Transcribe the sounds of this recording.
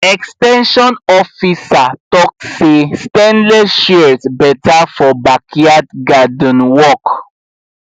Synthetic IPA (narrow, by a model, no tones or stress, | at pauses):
ɛkstɛ̃nʃɔ̃nɔfisatɔk̚sestɛ̃nlɛʃɛɹsbɛtafɔbakʰiadɡadɔ̃nwɔk